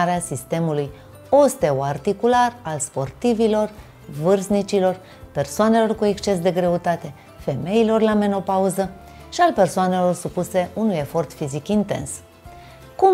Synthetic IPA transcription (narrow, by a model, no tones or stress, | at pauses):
aɾeasist̪e̞muluj | o̞st̪e̞oart̪ikularalspo̞rt̪ivilo̞r | vɨrznit͡ʃilo̞r | pe̞rsoane̞lo̞rkue̞kst͡ʃe̞s̬d̪e̞ɡɾe̞ut̪at̪e̞ | fe̞me̞ilo̞rlame̞no̞pauzə | ʃialpe̞rsoane̞lo̞rsupuse̞ʔunuje̞fo̞rt̪fizikint̪e̞̰ns | ku